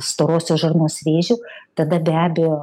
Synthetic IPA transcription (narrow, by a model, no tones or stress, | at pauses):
st̪oːɾoːsʲoːʒɐrnoːsʋʲeːʒʲuːt̪ɐd̪ɐbʲæːbʲejoː